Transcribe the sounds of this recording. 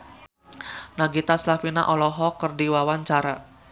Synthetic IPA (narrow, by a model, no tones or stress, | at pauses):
naɡit̪aslafina̰ʔɔlɔɦɔkərdiwawaɲt͡ʃaɾa